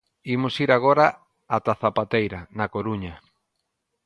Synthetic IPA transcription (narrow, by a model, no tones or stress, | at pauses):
imʊsiɾaɣ̞oɾa | at̪aθapat̪ejɾɐnɐkoɾuɲɐ